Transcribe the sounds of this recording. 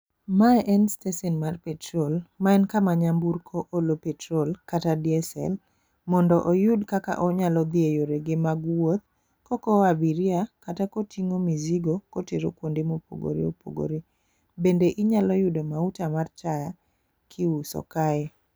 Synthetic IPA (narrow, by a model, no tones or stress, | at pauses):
maʔɛnstɛsɛnmarpɛtɾolmaɛnkamaɲambuɾkʰoʔolopɛtɾolkatadiɛsɛ̰l | mɔndɔʔojʊdkaka̰ʔɔɲalɔd̪iejoɾeɡemaɡwot̪̚ | kɔkɔabiɾjakatakotʰiŋomiziɡokoteɾo̰kwondemopo̰ɡo̰ɾḭo̰po̰ɡo̰ɾe | bendeʔɪɲalɔjʊdomautamart͡ʃaja | kʰiusɔ̰kaɛ